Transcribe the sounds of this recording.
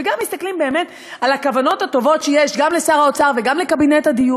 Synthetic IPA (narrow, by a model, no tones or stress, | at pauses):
eɡamːist̪aklimbe̞ːme̞t | alhakavano̞thato̞vo̞tʃejeʃɡamle̞saʁaot͡saʁveɡamlekabinethadiju